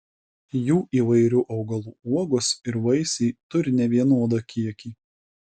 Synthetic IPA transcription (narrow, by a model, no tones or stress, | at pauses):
juːʔiːʋɐɪɾʲuːʔɐʊɡɐlˠuːuɔɡʊsɪɾʋɐɪsʲiːt̪ʊɾʲɪnʲɛʋʲiɛnoːd̪ɐkʲiɛkʲiː